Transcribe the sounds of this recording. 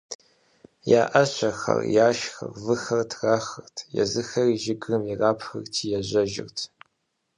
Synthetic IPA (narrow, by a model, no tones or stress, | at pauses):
jaːʔɐɕʷɐxɐ̰rjaːʃxɐ̰rvɨxɐrtʰraːxɨrtʰjɛ̰zɨxɐriʒɪɡrɨmiraːpʰxɨrtʰijɛʑɐʒɪ̰rtʰ